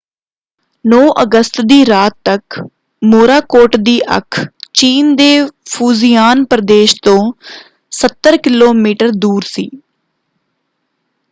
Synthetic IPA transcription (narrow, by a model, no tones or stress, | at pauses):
nɔːʔəɡəst̪d̪iːɾaːt̪ːək | moːɾaːkoːʈd̪iːʔə̰kʰt͡ʃiːnd̪eːpʰuːzijaːnpəɾəd̪eːʃt̪õː | sət̪ːəɾkɪloːmiːʈəɾd̪uːɾsḭː